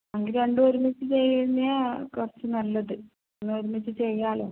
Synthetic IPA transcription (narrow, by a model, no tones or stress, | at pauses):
ɐŋɡiɾeɳɖɨoɾumit͡ɕːɨt͡ɕejːinːijakurɐt͡ɕːɨnɐlːɐðɨ | enːɨoɾumit͡ɕːɨt͡ɕejːaːɭo̰ː